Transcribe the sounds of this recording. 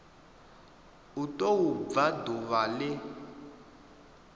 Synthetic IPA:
utʼowub̪vaduβalɪ

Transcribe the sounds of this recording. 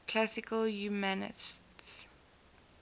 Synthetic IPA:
kʰl̥asɪkəljumanɪ̰sts

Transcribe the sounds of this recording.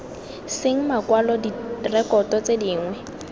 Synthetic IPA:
sɪŋ̩makwalɔdirɛkɔtɔt͡sediːŋwɛ

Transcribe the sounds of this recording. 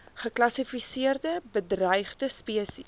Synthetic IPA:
χəklɐsifisiərdəbədrɐjχdəspiəsḭ

